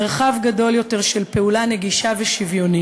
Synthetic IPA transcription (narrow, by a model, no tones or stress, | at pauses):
ʁχavɡado̞ljo̞te̞ʁʃelpe̞ulane̞ɡiʃaveʃivjo̞ni